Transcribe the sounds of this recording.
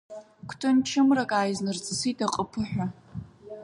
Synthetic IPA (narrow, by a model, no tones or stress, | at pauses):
kʷʰtʰɨnt͡ʃʰɨmrakʼaːjznɨrt͡sʼɨsitʼaqʼəpʰɨħʷᶣa